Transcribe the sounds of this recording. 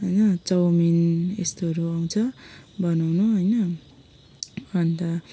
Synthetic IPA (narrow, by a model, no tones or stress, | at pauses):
ɦʌjnʌt͡sʌwminest̪oʌɾuaw̃t͡sʰʌbʌnawnuɦʌjnʌ | ʌnt̪ʌ